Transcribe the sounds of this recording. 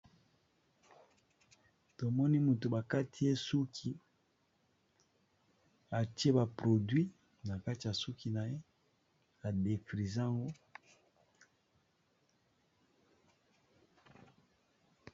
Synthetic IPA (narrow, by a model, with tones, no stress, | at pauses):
to˨mɔ˦ni˦mu˨to˨ba˨ka˦tʰi˦e˦su˦kʰi˦ | a˨ti˦e˦ba˨pʁo˨dɥi˦ | na˨ka˦ti˨ja˨su˦ki˨na˨je˦ | a˨de˨fʁi˨za˦˨ŋɡo˦